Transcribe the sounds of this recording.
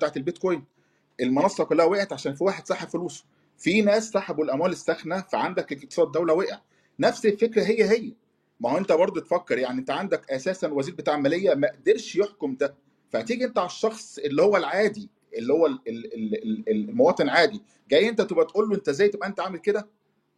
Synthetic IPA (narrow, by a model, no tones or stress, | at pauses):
t̪aːʕet̪elbet̪̚kojn | ʔelmonɑsˤɑkolːæhæweʔʕet̪ʕaʃæːnfiwaːħed̪sɑħebfoluːsˤo̥ | finæːsːaħabuelʔæmwæːlesːæxnæfæʕand̪ækek̚kt̪e̥sɑːd̪ːæwlæweʔʕ | næfselfekɾæɦejːæɦejːæ | mæhoʔent̪æbɑɾˤd̪ˤot̪efækːeɾjaʕniʔent̪æʕand̪ækʔæsæːsænwæziːɾbet̪aːʕmælejːæmæʔd̪eɾʃjeħkomd̪æ | fæʕt̪iːɡiʔent̪æʕalɑʃːɑxsˤelːihowːælʕaːd̪i | ʔelːihowːælelelellmowɑːt̪ˤenʕaːd̪i | ɡæjːʔent̪æt̪obæt̪ʔuːlːoʔent̪æzæːjt̪ebʔæent̪æʕaːmelked̪æ